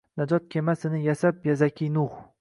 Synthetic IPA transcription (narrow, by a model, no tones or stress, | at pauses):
nad͡ʒɒt̪̚kʲʰemasɪnɪjasapjazakʲʰinʊχ